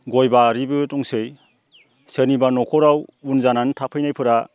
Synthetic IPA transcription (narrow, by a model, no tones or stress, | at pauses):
ɡɔjbaɾibɯtɔŋsɯj | senibanɔkʰɔɾawunzanantʰapʰɯjnajpʰɯɾa